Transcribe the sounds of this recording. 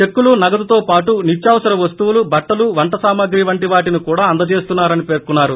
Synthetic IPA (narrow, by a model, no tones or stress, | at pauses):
t͡ʃe̞kːulunɐɡɐd̪ɐt̪oːpaːʈunit͡ʃːjaːʋɐsɐɾɐʋɐst̪uʋulubɐʈːɐluʋɐɳʈɐsaːmɐɡɾiːʋɐɳʈiʋaːʈinikuːɽaːɐnd̪ɐt͡ʃe̞ːst̪unːaːɾɐnipe̞ːɾkunːaːɾu